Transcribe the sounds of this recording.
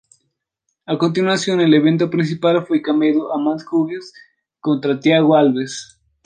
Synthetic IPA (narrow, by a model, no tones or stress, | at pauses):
ako̞nt̪̬inwasjo̞ne̞leβe̞nt̪̬opɾins̬ipalfwekameðoʔamanskuβjos | ko̞nt̪ɾat̪jaɣoalβes